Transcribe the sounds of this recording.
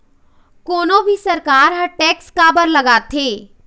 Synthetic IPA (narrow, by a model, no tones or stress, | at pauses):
koːnõbʱisɐɾkaːɾɦɐʈɛːkskaːbəɾlɐɡaːt̪ʰeː